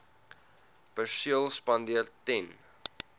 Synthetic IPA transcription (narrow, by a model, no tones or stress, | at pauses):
pərsiəlˠspɐndiərtɛn